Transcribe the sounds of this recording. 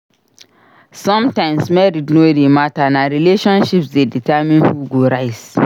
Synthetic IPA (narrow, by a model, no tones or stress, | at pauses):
sɔ̃mtãɪ̃msmɛɾidnodematanaɾileʃɔ̃nʃipsdeditʰamĩnhuɡoɾaɪs